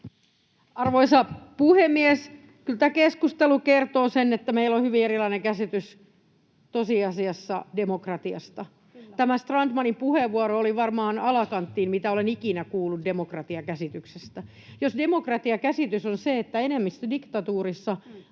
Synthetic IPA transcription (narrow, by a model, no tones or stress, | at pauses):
ɑrʋoisɑpuhemːies | kylt̪æːkeskust̪elukert̪oːsenːet̪ːæmeilːohyʋierilɑineŋkæsit̪ys | t̪osiɑsiɑsːɑdemokrɑt̪iɑ̰st̪ɑ | t̪æmæst̪rɑndmɑnimpuheʋʋuɑɾooliʋɑrmɑːnɑlɑkɑnt̪ːiːmmit̪æolenikinækuːlːuddemokrɑt̪iɑkæsit̪yksest̪æ | josdemokrɑt̪iɑkæsit̪ysonseet̪ːæenemːist̪ædikt̪ɑt̪uːrisːɑ